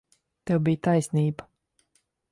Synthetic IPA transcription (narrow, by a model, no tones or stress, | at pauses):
t̪ɛwbijt̪ajsniːba